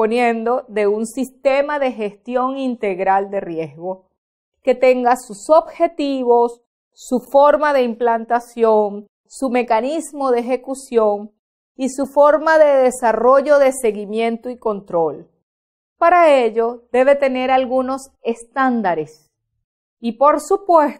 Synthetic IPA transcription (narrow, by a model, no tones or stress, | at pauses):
ponje̞nd̪o̞ðe̞unsist̪e̞maðe̞xe̞st̪jo̞ŋint̪e̞ɣɾald̪e̞rje̞zɣo̞ | ke̞t̪e̞ŋɡasusobxe̞t̪iβo̞sː | ufo̞ɾmaðe̞implant̪asjo̞ŋ | sume̞kanizmo̞ðeeːxe̞kusjo̞ŋ | isufo̞ɾmaðe̞ðe̞saro̞ʝo̞ðe̞se̞ɣimjẽ̞nt̪oiko̞nt̪ɾo̞l | paɾaeʝo̞d̪e̞βe̞t̪e̞ne̞ɾalɣuno̞s | e̞st̪and̪aɾes | ipo̞ɾsupwes